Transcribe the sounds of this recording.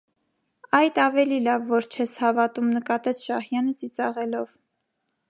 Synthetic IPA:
ɑjd̪ɑvɛlilɑvːɔɾt͡ʃʰɛshɑvɑt̪umnəkɑt̪ɛt͡sʰʃɑhjɑnət͡sit͡sɑʁɛlɔv

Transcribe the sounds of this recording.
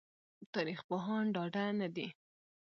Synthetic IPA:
t̪ɑɾixpoɦɑnɖɑɖanad̪i

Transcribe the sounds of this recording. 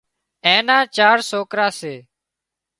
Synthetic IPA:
ẽːnãːt͡ʃaːɾsoːkɾaːseː

